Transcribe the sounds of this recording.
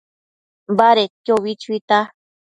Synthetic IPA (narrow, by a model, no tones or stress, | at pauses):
baɾekjoβit͡ʃuit̪a